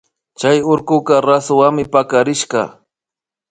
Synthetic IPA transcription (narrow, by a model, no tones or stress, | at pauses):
t͡ʃajʊɾkʊkɑɾasʊwaŋmɪpakaɾɪʃɢɑ̰